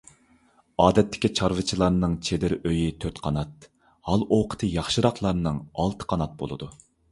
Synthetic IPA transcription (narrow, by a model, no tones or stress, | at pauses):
ɑːd̪ɛt̪ʰːɪ̥kʲit͡ʃʰɑɾvɨt͡ʃʰilˠɑɾnɨŋt͡ʃʰed̪ɪɾøjit̪ʰøt̪qʰɑnɑt̪̚ | hɑlˠoqʰə̥t̪ʰɨjɑχʃɨɾɑqlˠɑɾnɨŋɑlˠt̪ʰɨ̥qʰɑnɑt̪̚bo̰lˠɨ̰d̪u